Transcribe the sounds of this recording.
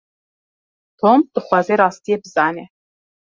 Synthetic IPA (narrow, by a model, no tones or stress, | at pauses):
tʰoːmd̪̥ɨχʷazeɾɑːst̪ʰijebzaːne